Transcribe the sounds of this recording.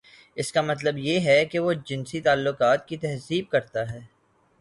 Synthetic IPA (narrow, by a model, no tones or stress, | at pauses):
ɪskamɐt̪ləbjeɦɛkeʋod͡ʒɪnsit̪aːlːʊkaːt̪̚kit̪ɛɦziːb̚kɐɾt̪aɦɛː